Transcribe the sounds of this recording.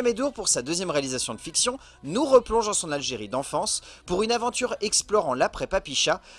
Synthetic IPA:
amed̪uʁpuʁsad̪øzjɛmʁealizasjɔ̃d̪əfiksjɔ̃ | nuʁəplɔ̃ʒɑ̃sɔ̃nalʒeʁid̪ɑ̃fɑ̃spuʁynavɑ̃t̪yʁɛksplɔʁɑ̃lapχɛpapiʃa

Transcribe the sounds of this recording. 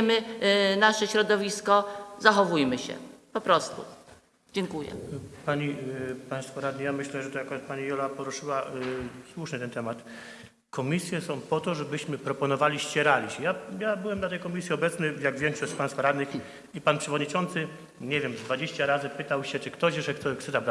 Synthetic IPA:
mɘnaʂɛɕɾɔd̪ɔvʲiskɔzaxɔvujmɘɕɛ̰pɔpɾɔst̪ṵ | d͡ʑɛŋkujɛ̰paɲipãj̃st̪fɔɾad̪ɲʲijamɘɕlɛʐɛt̪ɔjakɔɾat̪paɲijɔlapɔɾuʂɘwaswuʂɲɘt̪ɛnt̪ɛmat̪ | kʰɔmʲisʲjɛsɔ̃w̃pɔt̪ɔʐɛbɘɕmɘpɾɔpɔnɔvalʲiɕt͡ɕɛɾalʲiɕɛjajabɘwɛmnat̪ɛjkɔmʲisʲjiɔbɛt̪snɘjaɡvʲjɛŋkʂɔɕt͡ɕpãjst̪fɔɾad̪nɘx | ipanpʂɛvɔd̪ɲit͡ʂɔnt̪sɘ | ɲɛvʲjɛmvd̪vad͡ʑeɕt͡ɕaɾazɘpɘt̪awɕɛt͡ʂɨkt̪ɔʑɛʂɛkt̪ɔksɛzabɾa

